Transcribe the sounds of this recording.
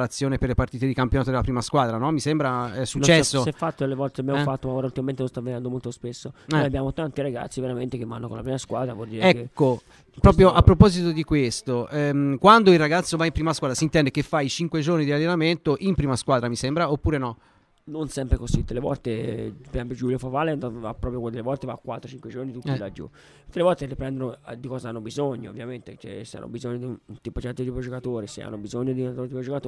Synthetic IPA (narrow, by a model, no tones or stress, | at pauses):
ɾat̪sːjoːneperlepart̪iːt̪ed̪ikampjonaːt̪od̪elapɾiːmaskwaːd̪ɾanɔmːisembɾaɛsːut͡ʃːɛsːosɛfːat̪ːolevɔlt̪eabjaofat̪ːomaoːɾault̪imament̪enõnst̪aved̪ɛnd̪omolt̪ospesːoabːjaːmot̪ant̪iɾaɡa̰t̪sːiveɾament̪ekevːa̰nːo̰konlapɾiːmaskwa̰ːd̪ɾavɔld̪iːɾeɛkːo | pɾɔːp̬ɾjoʔapːɾopɔzit̪od̪ikwest̪oʔɛkwand̪oilrːaɡat̪sːovaimpɾiːmaskwaːd̪ɾasiːnt̪ɛnd̪ekefːajit͡ʃiŋkwed͡ʒornid̪ialːenament̪oʔimpɾiːmaskwaːd̪ɾamisembɾaopːuːɾenɔ | nonsɛmpɾekosit̪ːelevɔ̰lt̪epɾɛmpod͡ʒuːljofavalɛnt̪va̰pːɾɔpjokd̪elevɔlt̪eva̰kːwat̪ːɾot͡ʃiŋkwed͡ʒornit̪ut̪ːilad͡ʒṵ | t̪ːelevɔlt̪eripɾɛnd̪onod̪ikɔːzaanːobizoɲːoo̰vːjament̪et͡ʃɛ̰sea̰nːo̰bizoɲːod̪iunnt̪ipot͡ʃɛt̪ːot̪ipod͡ʒokat̪oːɾesḛa̰nːobizoɲːod̪int̪ont̪ipod͡ʒokat̪o